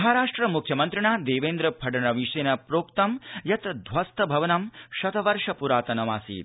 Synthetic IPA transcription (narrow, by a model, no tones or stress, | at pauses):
ɐɦaɾaːʂʈɾɐmukʰjɐmɐnt̪ɾiɳaːd̪eːʋeːnd̪ɾɐpʰɐɖɐɳɐʋiʂeːnɐpɾoːkt̪ɐmjɐt̪d̪ʱʋɐst̪ʰɐbʱɐʋɐnɐmʃɐt̪ɐʋɐɾʂɐpuɾaːt̪ɐnɐma̰ːsḭːt̪